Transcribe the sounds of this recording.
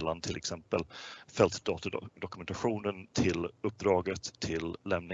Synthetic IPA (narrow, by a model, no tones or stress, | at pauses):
lːant̪ʰɪlʔɛksɛmpəlfɛlt̪d̪ɑːt̪d̪ɔkɵmɛnt̪aɧuːnənt̪ʰɪlɵp̚ːd̪ɾɑːɡət̪ʰːɪlːɛmnɪ